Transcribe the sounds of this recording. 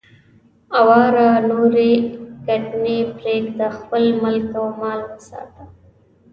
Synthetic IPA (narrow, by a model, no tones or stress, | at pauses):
awɑɾanoɾeɡaɖnepɾekd̪əxpəlməlkawmɑːlwəsɑ̰ːt̪a